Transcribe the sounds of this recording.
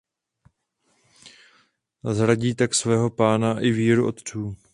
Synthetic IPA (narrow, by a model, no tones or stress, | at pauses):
zɾaɟiːt̪aksvɛːɦo̞paːnaʔɪviːɾuʔo̞t̪t͡suː